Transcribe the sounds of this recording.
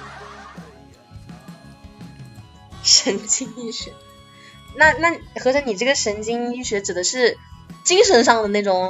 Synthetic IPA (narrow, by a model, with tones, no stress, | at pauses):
ʂə˧˥nt͡ɕi˥ŋy˥˩ɕɛ˧˩˥n | na˥˧na˥˩xɤ˧˥ʂə˧˥ni˨˩ʈ͡ʂɤ˥˩ɡə˩ʂə˧˥nt͡ɕi˥ŋy˥˩ɕɥɛ˧˥ʈ͡ʂɻ̩˨˩d̪ə˦ʂɻ̩˥˩t͡ɕi˥ŋʂə˧˥nʂɑ˥˩ŋd̪ə˩ne˥˩ɪʈ͡ʂʊ˨˩˦ŋ